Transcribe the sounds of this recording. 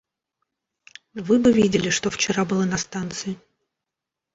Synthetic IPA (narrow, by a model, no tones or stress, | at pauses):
vɨbɨvʲidʲɪlʲɪʂt̪o̞ft͡ɕɪɾabɨlˠanɐst̪ant̪sɨjɪ